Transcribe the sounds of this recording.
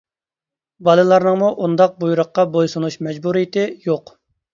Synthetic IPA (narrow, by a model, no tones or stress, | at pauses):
bɑlˠɨlˠɑɾnəŋmuʔund̪ɑq̚bujuɾəqːɑbojsunuʃmɛd͡ʒbuɾijɪt̪ɪjoq